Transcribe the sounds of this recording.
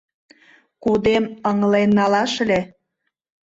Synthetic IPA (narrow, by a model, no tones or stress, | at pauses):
kud̪eməŋlenːɑlɑʃle